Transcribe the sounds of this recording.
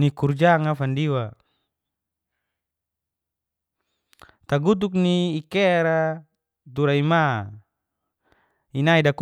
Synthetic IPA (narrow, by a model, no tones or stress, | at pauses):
nikurd͡ʒaŋafandiwa | t̪aɡut̪̬uk̚niːkeɾa | t̪uɾaima | inaidak